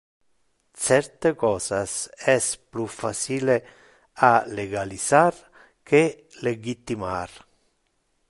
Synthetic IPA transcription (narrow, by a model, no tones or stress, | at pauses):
t͡ʃɛrt̪ekɔːsasɛsplufːat͡ʃiːle | aleɡalisar | ke | leɡit̪ːimar